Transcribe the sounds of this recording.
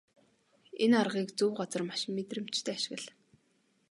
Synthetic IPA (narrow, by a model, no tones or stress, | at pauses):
enarʁiːkt͡suwɢɔt͡sɞ̆rmaʃmet̪rɘ̆m̥t͡ɕt̪ʰeːaʃɪ̆ɣə̆ɮ